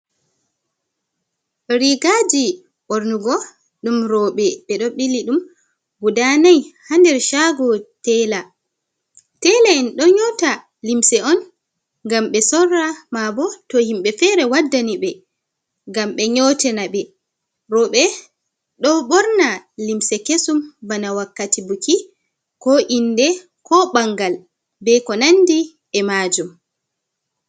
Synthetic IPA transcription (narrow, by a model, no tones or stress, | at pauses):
ɗɔɾiɡad͡ʒi | ɓɔɾnuɡɔ | ɗumɾɔɓɛɓɛɗɔɓilːiɗum | wudanajhandɛɾʃaɡɔtɛla | tɛlaɛnɗɔɲɔta | limsɛɔn | ŋɡamɓɛsɔrːamabɔtɔhimɓɛfɛɾɛwadːaniɓɛ | ŋɡamɓɛɲɔtɛnaɓɛ | ɾɔɓɛ | ɗɔɓɔɾnalimsɛkesumbanawakːatibuki | kɔʔindɛ | kɔɓaŋɡal | bɛkɔnandi | ɛmad͡ʒum